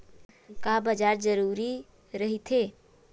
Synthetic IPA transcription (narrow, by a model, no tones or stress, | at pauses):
kabəd͡ʒaɾd͡ʒəɾuɾi | ɾəɦit̪ʰe